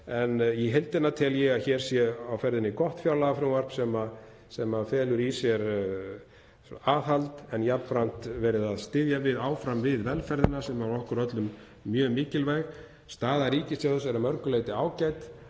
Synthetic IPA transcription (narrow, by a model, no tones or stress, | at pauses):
ɛnjɛɦejlt̪ɛnːat̪ʰɪljɛɣaðçɛɾ̥sjɛawfɛɾðɪnɪkɔht̪fjawlaɣafɾawvar̥psɛma | sɛmafɛːlʏɾisjɛɾ | aːðhalt̪ɛnjapnpɾan̥t̪vɛːɾɪðaðst̪ɪðjavɪðaːwfɾamvɪðvɛlfɛɾðɪnasɛmaɾɔhkʏɾœt̪lʏmː | jœːmiːcɪlvajɣ | st̪aːðaɾiːcɪsjaðʏsɛɾamœɾkʏleːjt̪ɪaːwcaːjt̪